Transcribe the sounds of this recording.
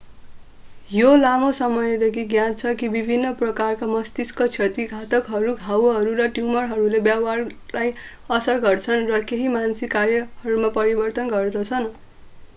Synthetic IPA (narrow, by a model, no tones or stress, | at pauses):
jolamosʌmʌjed̪ekʰiɡjãt͡sʰʌkibibʱinːʌprʌkarkamʌst̪iskʌt͡sʰʌt̪iɡʱat̪ʌkɦʌɾuɡʱawɦʌɾurʌʈjumʌrɦʌɾulebjawarlaj | ʌsʌrɡʌrt͡sʰʌnrʌkeɦimansikaɾjʌhʌɾumapʌɾibʌrt̪ʌnɡʌrd̪ʌt͡sʰʌn